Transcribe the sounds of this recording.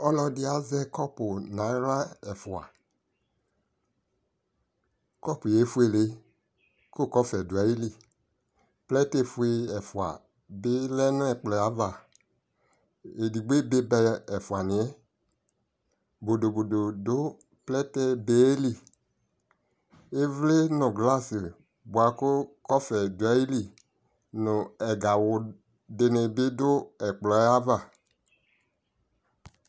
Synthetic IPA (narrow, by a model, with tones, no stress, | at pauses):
ɔ˦lɔ˧dɪ˦a˨zɛ˦kɔ˦pʊ˨na˨˦ɾa˦ɛ˨fu˨a̰˨ | kɔ˦˨pu˨je˨˦fu˦e˦˨le˨˦ | ko˦˨kɔ˦fɛ˨du˨a˨˦i˦li˦˨ | plɛ˦te˦˨fu˦e˧ɛ˨fu˨a̰˨ | be˦lɛ˦nu˦ɛ˨k͡plɛ˨a˨˦va˨ | e˨di˨ɡ͡be˦be˦bɛ˧ɛ˨fu˨a˨nĩ˨ɛ˦ | bo˨do˨bo˨do˨dʊ˦ | plɛ˦tɛ˦be˨˦e˦li˦˨ | e˦vle˦nʊ̃˨ɡla˦sɪ˨ | bu˨a˨kʊ˦kɔ˦fɛ˨du˨ɛ˦i˦li˨ | nʊ˨ɛ˨ɡa˨wʊ˨ | de˨ne˨bɪ˦dʊ˦ɛ˨k͡plɔ˨˦a˦va˨